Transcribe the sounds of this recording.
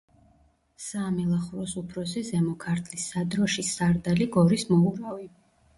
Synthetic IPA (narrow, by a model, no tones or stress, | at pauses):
saːmilˠaχuɾɔsupʰɾɔsizɛmɔkʰaɾt̪ʰlisːad̪ɾɔʃisaɾd̪aliɡɔɾismɔuɾavi